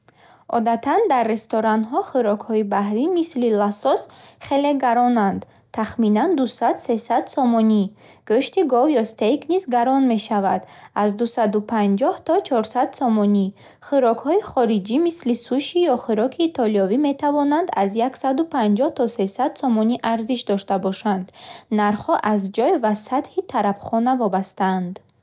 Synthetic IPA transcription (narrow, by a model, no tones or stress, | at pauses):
ɔ̰d̪at̪ʰand̪arːe̞st̪ɔɾanɦɔχuɾɔkhɔibahɾimislilasɔsχe̞le̞ɡaɾɔnand̪ | t̪ʰaχminand̪usad̪se̞sad̪sɔmɔni | ɡ̥øʃt̪iɡɔvjɔst̪ejknizɡaɾɔnme̞ʃavad̪̥azd̪usad̪upʰand͡ʒɔht̪ʰɔt͡ʃʰɔɾsad̪sɔmɔni | χiɾɔkhɔiχɔɾid͡ʒimislisuʃijɔχiɾɔkʰiːt̪ʰɔliɔvime̞t̪ʰavɔnand̪azjaksad̪upʰand͡ʒɔht̪ʰɔse̞sad̪̥sɔmɔniʔaɾziʃd̪ɔʃt̪abɔʃand̪naɾχhɔʔazd͡ʒɔjvasat̪hit̪ʰaɾafχɔnavɔbast̪aand̪